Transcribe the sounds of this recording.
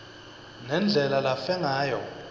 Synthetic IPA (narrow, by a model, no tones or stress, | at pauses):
nɛnd͡ɮʱɛlalafɛŋaːjɔ